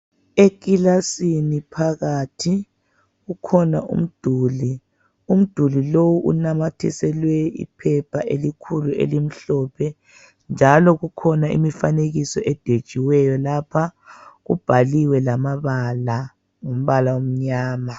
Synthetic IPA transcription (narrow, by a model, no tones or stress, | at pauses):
ek̬ʼilasinipʰaɣaːtʰi | ɣukʰɔna̰ʔṵm̩d̥ʱuːli | um̩d̥ʱulilowuʔṵnamatʰisɛlwɛḭpʰɛpʰaʔelikʰuluḛlim̩ɬɔːpʰɛ | nd͡ʒʱalɔɣukʰɔnaḭmifaneɣisɔʔɛd̥ʱed̥ʒ̥ʱiwɛjɔlapʰaɣṵb̥ʱaliwɛlamaβala | ŋom̩βalawom̩ɲaːma